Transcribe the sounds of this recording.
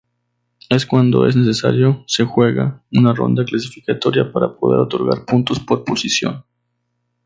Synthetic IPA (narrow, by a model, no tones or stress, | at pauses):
e̞skwand̪o̞̰e̞̰zne̞s̬e̞sa̰ɾjo̞se̞xwe̞ɣa̰unaro̞̰nd̪aklasifikat̪o̞ɾjapaɾapoðe̞̰ɾo̞t̪o̞ɾɣaɾpunt̪o̞spo̞ɾposisjo̞̰n